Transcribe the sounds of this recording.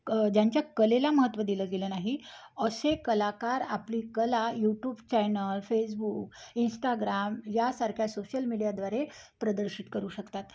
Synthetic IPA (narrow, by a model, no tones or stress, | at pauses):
d͡ʑjaɲt͡ɕjakəlelaməɦət̪ːʋəd̪iləɡelənaɦi | əsekəlakaɾapliːkəlajuʈjuːbt͡ɕɛnəlfesbuːkinsʈaɡɾamjasaɾkʰjasoɕəlmiɽijad̪ʋaɾe | pɾəd̪əɾɕit̪kəɾuːɕəkt̪at̪